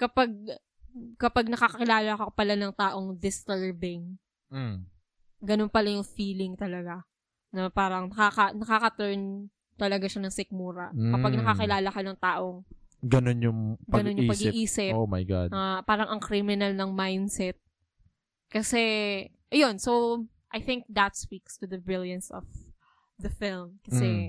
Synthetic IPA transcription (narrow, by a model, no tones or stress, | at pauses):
kɐpaɡ̚ | kɐpaɡ̚nɐkakɐkɪlaːlɐkopɐlanɐŋt̪aːʔo̞ŋd̪ɪst̪ɛɹbɪŋ̩ | ɡɐno̞npɐlajʊŋfiːlɪŋt̪ɐlɐɡa | nɐpaːɾɐŋnɐkakɐnɐkakɐt̪ɾɛn | t̪ɐlɐɡaʃanɐŋsɪk̚muːɾɐkɐpaɡ̚nɐkɐkɪlaːlɐkɐnɐŋt̪aːʔoŋɡɐnonjʊŋɡɐɐnonjʊpɐɡɪʔiːsɪomajɡa̰d̪ɐpaːɾɐŋʔɐŋkɾimɪnɐlnɐŋmajnd̪sɛt̪̚ | kɐsɛ | ʔɐjo̞nsow | ʔɐjθɪŋk̚d̪ɐt̪̚spikst̪ʊðɐbɹɪljɐnsɔ̰f | d̪ɐfɪlmkɐsɛ